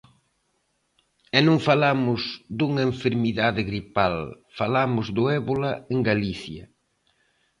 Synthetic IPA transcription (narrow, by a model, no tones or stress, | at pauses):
ɛnõŋfalamʊzd̪uŋɐeɱfeɾmiðaðɪɣɾipal | falamʊzðʊɛβolɐeŋɡaliθjɐ̰